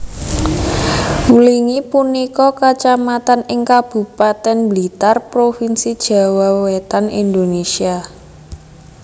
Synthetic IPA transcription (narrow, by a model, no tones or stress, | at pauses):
uliŋipunikɔkat͡ʃamat̪anɪŋkab̥ṳpat̪ɛnblit̪arpɾofinsid̥ʒ̥ä̤wawet̪anḭnd̪onesia